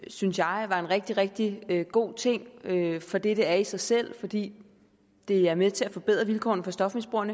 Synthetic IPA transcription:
synsjɑ̈ɪʋɑ̈e̝nʁɛɡ̥̚d̥iʁɛɡ̥̚d̥iøɡ̥o̝̰ːt͡sʰe̝ŋ̰øfɒ̽d̥eɾ̥əæɐisɑ̈ɪsel̰fɒ̽d̥ḭː | d̥e̝æɐmeðˠt͡sʰe̝læfɒ̽b̥e̝ð̞̰ˠʁɐʋilkʰɒ̰ːn̩fɒ̽sd̥ɒ̽fmesb̥o̝ɐnə

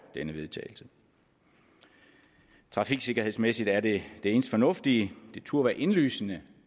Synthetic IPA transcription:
d̥enəʋe̝ð̞ˠt͡sʰɛ̰ːɪl̩sə | t͡sʰʁɑ̈fiɡ̥se̝ɡ̥ɐhe̝ðˠsmesid̥æɐd̥e̝d̥e̝e̝ːn̩sd̥fɒ̽nɔ̽fd̥id̥e̝t͡sʰuɐ̰ʋæɐʔe̝nly̰ːsənə

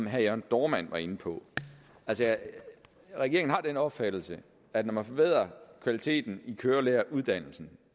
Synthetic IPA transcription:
mɦæɒnd̥ɒːmæn̰ʋɑ̈e̝n̩pʰɒ̽ | ælsə | ʁɛɡ̥e̝ɐŋn̩ɦɑ̈d̥enəɒ̽b̥fæd̥l̩sə | ædnɒmænfɒ̽b̥e̝ð̞̰ˠɐkʰʋælit͡sʰe̝̰ːd̥n̩ikʰøːɐleːɐʔuð̞ˠd̥æn̰l̩sn̩

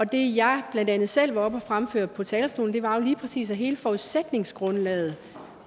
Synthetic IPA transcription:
ɒ̽d̥e̝jɑ̈ɪb̥lænd̥ænð̞̩ˠsel̰ʋɑ̈ɒ̽b̥ɒfʁamføɐ̰d̥̚pʰɒ̽t͡sʰɛːlɐsd̥o̝̰ːln̩d̥e̝ʋɑ̈jo̝liːpʰʁɛsḭːsæɦe̝ːləfɒuðˠsed̥ne̝ŋsɡ̥ʁɔ̽nlɛ̰ːð̩ˠ

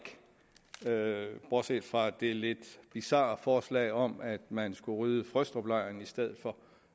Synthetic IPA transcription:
ɡ̥ | b̥ɒ̥sḛːd̥fʁɑ̈d̥e̝le̝d̥b̥isɑ̰̈ːfɒːslɛ̰ɪɒ̽mæd̥mænsɡ̥uʁyːðˠəfʁœsd̥ʁɐb̥lɑ̈ɪ̰ɐnisd̥eð̞̰ˠð̩ˠfɒ̽

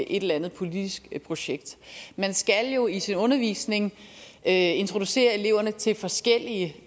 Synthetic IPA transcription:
ʔe̝ɾelɐænð̩ˠpʰo̝lid̥isɡ̥pʰʁo̝ɕeɡ̥d̥mænsɡ̥æljo̝isinɔ̽nɐʋḭːsne̝ŋ | e̝nt͡sʰʁo̝d̥use̝̰ːɐe̝le̝ʊ̰ɐnət͡sʰe̝lfɒ̽sɡ̥el̰iə

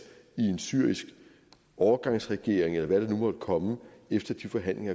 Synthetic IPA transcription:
ie̝nsyɐ̰isɡ̥ | ɒʊɐɡ̥ɑ̈ŋ̰sʁɛɡ̥e̝ɐ̰eŋelɐʋæɾ̥ɑ̈numɒd̥kʰɒ̽məefd̥ɐd̥ifɒ̽ɦæn̰le̝ŋɐ

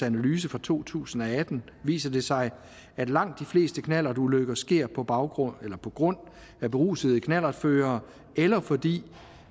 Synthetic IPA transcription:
ænælyːs̬əfʁɑ̈t͡sʰo̝̰ːt͡sʰṵːsn̩ɒæd̥n̩ | ʋḭːsɐd̥e̝sɑ̈ɪ | æd̥lɑ̈ŋ̰d̥ːifle̝̰ːsd̥əkʰnæl̰ɐd̥uløɡ̥ɐsɡ̥e̝ɐ̰pʰɒ̽b̥ɑ̈ʊɡ̥ʁɔnelɐpʰɒ̽ɡ̥ʁɔ̽n̰ | æb̥e̝ʁṵːsəð̞̩ˠəkʰnæl̰ɐd̥føːɐː | elɐfɒ̽d̥ḭː

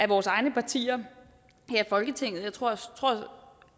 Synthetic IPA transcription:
æʋɒːsɑ̈ɪnəpʰɑ̈t͡sʰḭːɐ | hæɐfɒ̽lɡ̥ət͡sʰe̝ŋ̰ð̩ˠjät͡sʰʁo̝ɐ̰t͡sʰʁo̝ɐ̰

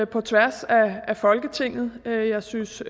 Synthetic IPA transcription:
pʰɒ̽t͡sʰʋæɐsææfɒ̽lɡ̥ət͡sʰe̝ŋ̰ð̩ˠøjɑ̈ɪsyns

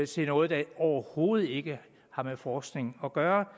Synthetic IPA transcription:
sʰe̝nɔ̽ːð̩ˠd̥ɑɒʊɐho̝ːð̞̩ˠe̝ɡ̥ə | hɑ̈mefɒːsɡ̥ne̝ŋ̩ɒ̽ɡ̥ɶːɐ

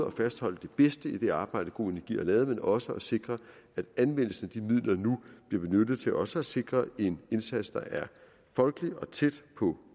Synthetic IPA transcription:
ɒ̽fæsd̥hɒ̽l̰əd̥e̝b̥esd̥əid̥e̝ɑ̈ːb̥ɑ̈ɪ̰ɾ̥əɡ̥o̝̰ːe̝næɐɡ̥ḭːɐlɛːð̩ˠmenɒ̽səɒse̝ɡ̥ʁɐ | æd̥ænʋen̰l̩sən̩æd̥imið̞̰ˠlɐnub̥liɐb̥e̝nød̥ð̞̩ˠt͡sʰe̝lʔɒ̽səæse̝ɡ̥ʁɐe̝nensæd̥sd̥ɑ̈ʔæɐ | fɒ̽lɡ̥əliɒ̽t͡sʰed̥pʰɒ̽

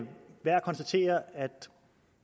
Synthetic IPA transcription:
ʋæɐ̰kʰɒ̽nsd̥æt͡sʰe̝̰ːɐæd̥

